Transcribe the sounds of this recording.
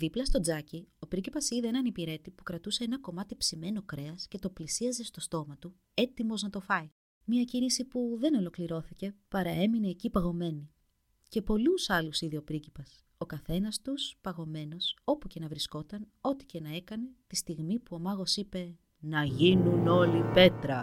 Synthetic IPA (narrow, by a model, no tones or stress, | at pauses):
ðiplɐst̪o̞d͡zɐcio̞pɾicipɐsiðeenɐnipiɾe̞t̪ipu̥kɾɐt̪use̞enɐko̞mɐt̪ipsime̞no̞kɾe̞ɐsce̞t̪o̞plisiɐze̞st̪o̞st̪o̞mɐt̪u | e̞t̪imo̞znɐt̪o̞fɐi | miɐcinisipuðe̞no̞lo̞kliɾo̞θice̞pɐɾɐe̞mine̞ːcipɐɣo̞me̞ni | ce̞po̞lusɐlusiðio̞pɾicipɐs | o̞kɐθe̞nɐst̪uspɐɣo̞me̞no̞so̞puce̞nɐvɾisko̞t̪ɐn | o̞t̪i̥ce̞nɐe̞kɐne̞t̪ist̪iɣmipuo̞mɐɣo̞sipe̞ | nɐʝinuno̞lipe̞t̪ɾɐ